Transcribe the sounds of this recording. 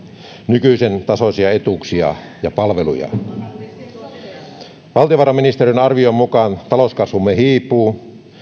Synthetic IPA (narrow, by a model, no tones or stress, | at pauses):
nykyisent̪ɑsosiɑet̪uksiɑ̰ | jɑpɑlʋelṵjɑ̰ | ʋɑlt̪ijoʋɑrɑmːinist̪erinɑrʋiommukɑnt̪ɑloskɑsʋumːehiːpˑuː